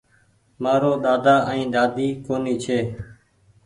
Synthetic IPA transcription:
maːɾoːɗ̪aːd̪aːʔĩːɗ̪aːd̪iːkoːniːt͡ʃʰeː

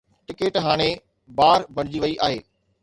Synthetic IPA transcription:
ʈɪkeːʈɦaːɽ̃e | baːɾbʱɐɽ̃ɪd͡ʑiʋɐiʔaːɦeː

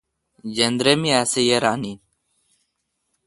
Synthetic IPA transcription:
d͡ʑend̪ɾemiasejeɾaːni

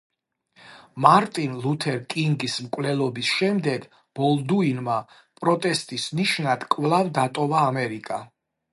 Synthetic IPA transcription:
maɾt̪ʼinlˠut̪ʰɛɾkʼiŋɡismkʼvlɛlˠɔbisʃɛmd̪ɛɡ | b̥ɔlˠd̪uinma | pʼɾɔt̪ʼɛst̪ʼisniʃnad̪̥kʼvlˠavd̪at̪ʼɔvaːmɛɾikʼa

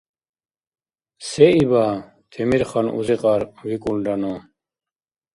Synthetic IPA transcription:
seiba | t̪ʰimiɾχanṵziqɑɾwikulɖɐno

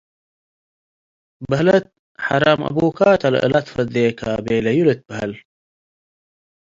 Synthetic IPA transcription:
bɐlɐt̪̚ | ħaɾamʔɐ̰buːkaːt̪ɐl̰ə̰lɐt̪fɐd̪eːkaːbeːlɐjulet̪̚bɐɦɐl

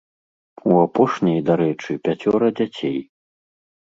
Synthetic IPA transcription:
uapɔʂnʲɐjd̪aɾɛt͡ʂɨpʲat͡sʲɔɾɐd͡zʲat͡sʲej

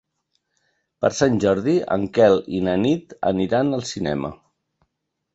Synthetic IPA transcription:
pəɾsanʲʒɔɾðiə̰ŋkɛlinənit̪ə̰niɾanəlˠsinɛmə̰

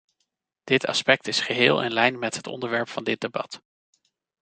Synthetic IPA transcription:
d̥ɪtɑ̰spɛk̚tɪsχəɦɪːlˠʔɪ̰nlɛjnmɛtɦətɔ̰ndəɹʋɛɹpfɑndɪdebɑt

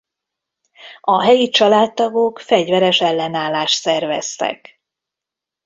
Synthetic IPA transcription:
ɒɦɛjit͡ʃɒlaːt̪ːɒɡokfɛɟvɛɾɛʃɛlːɛnaːlːaːʃt̪sɛrvɛ̰st̪ɛ̰k

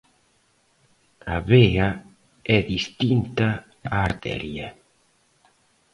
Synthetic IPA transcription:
aβea | ɛðist̪int̪a | aːɾt̪ɛ̰ɾja

